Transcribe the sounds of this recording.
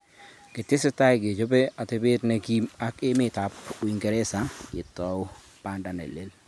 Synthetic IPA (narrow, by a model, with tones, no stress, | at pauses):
kɪ˨tɪ˦sɪ˦ta˦jɡe˨d͡ʒo˦be˦a˨tɪ˨˦bɪ˦tne˦ki˦ma˦kɪ˦mɪ˦ta˨pʊ˨i˨ŋɡɛ˨ɾe˦sa˨˦ɪ˨tɔ˨w | pa˦nda˨nḛ˨le˦l